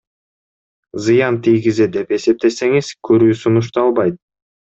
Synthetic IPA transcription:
zɨjɑnt̪ʰijɡized̪e̞pe̞se̞p̚t̪e̞se̞ŋiz̥kʰøɾyːsunuʃ̬t̪ɑlˠbɑjt̪̚

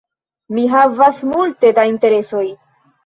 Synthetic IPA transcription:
miɦavasmulte̞dainte̞ɾe̞so̞j

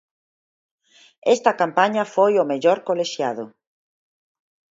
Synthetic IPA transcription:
est̪ɐkampaɲafojomeʎoɾkoleʃjaðʊ

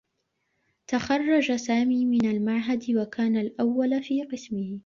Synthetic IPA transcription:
t̪axɑrˤːɑd͡ʒasaːmiːmɪnalmaʕɦad̪wakaːnalʔawːalfiːqɨsmɪh

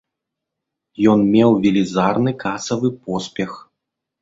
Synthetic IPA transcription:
jɔnmʲɛwvʲilʲizarnɨkasɐvɨpɔsʲpʲɛx

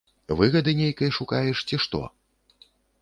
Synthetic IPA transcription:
vɨɣɐd̪ɨnʲejkɐjʂukajɛʂt͡sʲiʂt̪ɔ̰

